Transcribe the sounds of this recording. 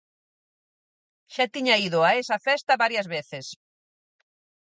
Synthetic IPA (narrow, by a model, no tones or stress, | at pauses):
ʃat̪iɲɐiðʊaesɐfɛst̪ɐβaɾjɐzβeθes